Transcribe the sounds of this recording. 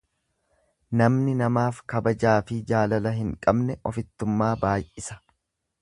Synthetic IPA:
nɐmnɪnɐmaːfkɐbɐd͡ʒaːfɪd͡ʒaːlɐlɐɦɪŋkʼɐbnɛʔɔfɪt̪ːʊmːaːbaːjʔɪsɐ̥

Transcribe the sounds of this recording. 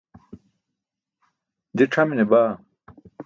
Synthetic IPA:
d̪iʈ͡ʂʰɐminebaː

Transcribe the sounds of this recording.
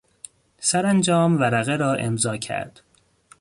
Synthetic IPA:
sæɾænd͡ʒɒːmvæɾæɣeɾɒːʔe̞mzɒːcʰæ̰ɾd̪̥

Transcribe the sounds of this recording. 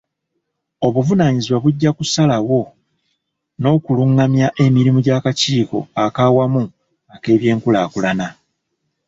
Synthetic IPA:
o̞βuvunaɲiziwaβuɟːakusalawo̞ | no̞ːkuluŋːamjaʔe̞miɾimuɟaːkaciːko̞̰akawamu | ake̞ːβje̞ːŋkulaːkulana

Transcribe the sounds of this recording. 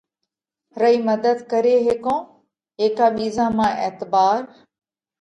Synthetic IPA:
ɾəiːməd̪əd̪kəɾeːɦɪkõː | ɦeːkaːɓiːzãːmãːʔḛːt̪baːɾ

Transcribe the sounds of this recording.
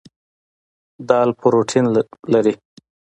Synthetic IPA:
d̪ɑːlpʰʊɾoʈʰinlaɾi

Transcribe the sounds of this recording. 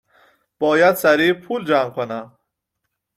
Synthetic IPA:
b̥ɒːjæd̪sæɾiːpʰuld͡ʒamkʰonæ

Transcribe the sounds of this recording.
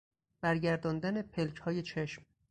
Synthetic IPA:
b̥æɾɟæɾd̪ɒnd̪æne̞pʰe̞lcʰhɒːje̞t͡ʃʰeʃm

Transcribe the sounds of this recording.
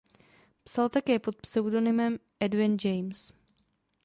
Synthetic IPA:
psalt̪akɛːpo̞t̪̚psɛwdo̞nɪmɛmʔɛdvɪnd͡ʒɛjms

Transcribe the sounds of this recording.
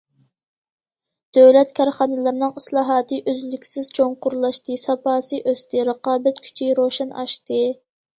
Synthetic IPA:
d̪̥øwlɛt̪kʰʲɑɾχɑːnɨlˠɨɾnɨŋislˠɑːɦɑːt̪ʰɨʔøzlykʲsɪzt͡ʃʰoŋqʊɾlˠɑʃt̪ɨsɑpɑːsɨʔøst̪ɪɾəqɑːbɛt̪kʲʰy̥t͡ʃʰiɾoʃɑnɑ̰ʃt̪ɨ

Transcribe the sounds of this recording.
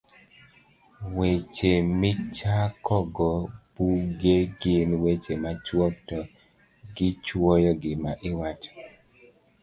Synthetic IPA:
wet͡ʃemɪt͡ʃakɔɡɔbuɡeɡɪnwet͡ʃemat͡ʃwɔtɔ | ɡɪt͡ʃwɔjɔɡɪmaʔɪwat͡ʃ

